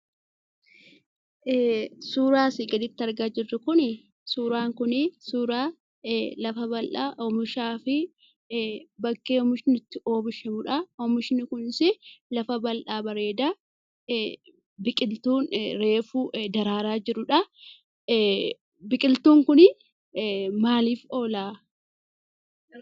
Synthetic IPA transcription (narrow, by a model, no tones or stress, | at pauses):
ʔsuːɾaːsɪɡɐd̪ɪt̪ːɐɾɡaːd͡ʒɪrːʊkʊnɪ | suːɾaːŋkʊnɪsuːɾaː | lɐfɐbɐlʔaːʔɔmʊʃaːfɪ | bɐkːeːɔmɪʃɪnɪt̪ːɪʔo̞ːbɪʃɐmʊᶑɐɔmɪʃɪnɪkʊnsɪlɐfɐbɐlʔaːbɐɾe̞ːd̪ɐ | bɪkʼɪlt̪uːnɾe̞ːfud̪ɐɾaːɾaːd͡ʒɪɾʊᶑɐ | bɪkʼɪlt̪uːŋkʊnɪ | maːliːfo̞ːlaː